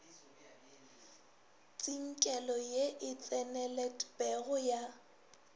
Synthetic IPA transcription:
t͡sʼiŋ̩kʼɛlɔjeʔɪt͡sʼɛnɛlɛtʰʼbɛɣʊja

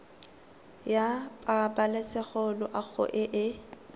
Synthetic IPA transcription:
japʼabalesɛχɔlɔʔaɣʰʊ̰ʔɪʔɪ

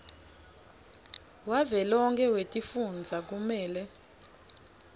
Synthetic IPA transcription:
wavɛlɔŋkʰʼɛwetʼifund͡zʱak̬umɛːlɛ

